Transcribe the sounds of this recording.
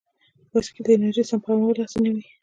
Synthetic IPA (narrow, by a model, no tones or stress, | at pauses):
wasked̪əɪnaɾʒisampɑmawəlɑsniwi